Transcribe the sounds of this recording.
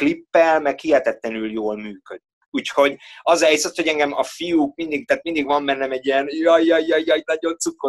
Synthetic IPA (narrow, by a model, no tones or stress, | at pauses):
klipːɛlmɛkhijɛt̪ɛt̪lɛnyljoːlmyːkød̪ikuːcho̞ɟɒzɛjsɛt̪ho̞ɟɛŋɡɛmɒfijuːk̚mind̪ik̚t̪aːt̪mind̪iɡʋɒmbɛnːɛmɛɟːijɛnjɒjjɒjːɒjjɒnɒɟo̞nt̪sukːo